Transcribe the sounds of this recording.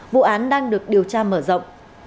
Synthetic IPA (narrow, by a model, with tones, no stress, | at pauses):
vṵ˧˨ʔaː˨˦nɗaː˧ŋɗɨ˨˩ək̚ɗi˨˩əwt͡ɕaː˧məː˧˩zə̰˧˨wŋ͡m